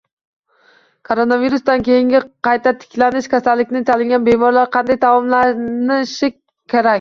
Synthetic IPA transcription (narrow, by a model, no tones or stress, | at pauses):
kʰoɾonaviɾusd̪ankʲe̞jɪŋʲɪqɑjt̪ʰat̪ʰɪ̥kʲlanɪʃkʲʰasalːɪkʲnɪt͡ʃ̪ʰalɪŋɡʲanbe̞mɒɾlˠaɾqʰɑnd̪ajt̪ʰawɒmlanɪʃɪ | kʲʰːeɾakʲ